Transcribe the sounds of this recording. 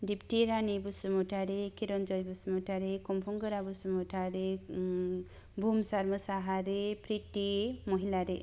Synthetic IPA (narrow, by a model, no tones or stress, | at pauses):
dipʈiɾanibusumɔʈʰaɾekiɾɔnd͡ʒɔjbusmɔʈaɾekɔmpʰuŋɡəɾabusumɔʈʰaɾe | bʱumsaɾməsaɦaɾepɾitimɔɦilaɾe